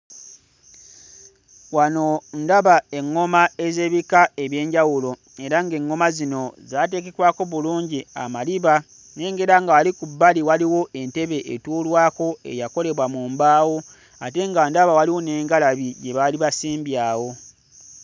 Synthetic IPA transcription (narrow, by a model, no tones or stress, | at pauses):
wano̞ndaβae̞ŋːo̞mae̞ze̞ːβikae̞βje̞ːɲɟawulo̞ | e̞ɾaŋɡe̞ŋːo̞mazino̞zaːt̬e̞ːke̞kwaːko̞βuluːɲɟia̰maliβa | ne̞ːŋɡeɾaŋɡawalikubːaliwaliwo̞ʔe̞nte̞βe̞ʔːtuːlwaːko̞e̞̰jako̞le̞βwamuːmbaːwo | ate̞ŋɡandaβawaliwo̞ne̞ːŋɡalaβiɟe̞βaliβasiːmbjaːwo̞